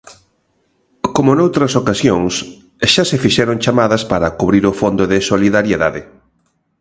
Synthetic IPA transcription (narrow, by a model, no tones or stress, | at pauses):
komʊnowt̪ɾɐsokasjoŋs | ʃasefiʃɛɾoŋt͡ʃamaðɐspaɾɐkuβɾiɾʊfond̪oðɪsoliðaɾjeðaðɪ